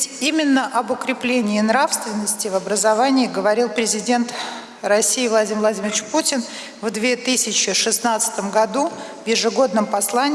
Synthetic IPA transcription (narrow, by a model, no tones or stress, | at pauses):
tʲimʲɪnːəʔɐbʊkɾʲɪplʲenʲɪːnɾafst̪vʲɪnːəsʲtʲɪvɐbɾəzɐvanʲɪːɡəvɐɾʲilˠpɾʲɪzʲɪdʲe̞nt̪ | rɐsʲːijːvlˠɐdʲimvlˠɐdʲimʲɪrɪt͡ɕputʲɪn | vd̪vʲe̞t̪ɨsʲɪt͡ɕɪʂɨsnat̪sɨ̥t̪əmɡɐd̪u | vjɪʐɨɡo̞d̪̚nəmpɐslˠanʲ